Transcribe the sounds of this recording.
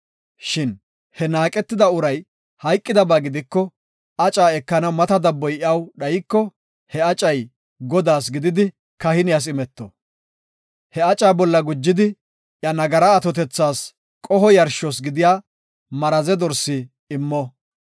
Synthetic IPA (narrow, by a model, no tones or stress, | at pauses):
ʃɪn | hɛnaːkʼɛt̪ːɪd̪ɐʊɾɐj | hɐjkʼːɪd̪ɐbaːɡɪd̪ɪkːɔ | ɐt͡ʃʼaːɛkːɐnɐwmɐt̪ɐd̪ɐbːɔjɪɐwɗɐjɪkːɔ | hɛɐt͡ʃʼɐj | ɡɔd̪aːs̬ɡɪd̪ɪd̪ɪ | kɐhɪnɪjas̬ɪmɛt̪ːɔ̰ | hɛɐt͡ʃʼaːbɔlːɐɡʊd͡ʒːɪd̪ɪ | ʔjɐnɐɡɐɾɐːt̪ɔt̪̬ɛt͡sːaːs | kʼɔɦɔjɐɾʃɔs̬ɡɪd̪ɪjaː | mɐɾɐzɛd̪ɔɾsɪː | mːɔ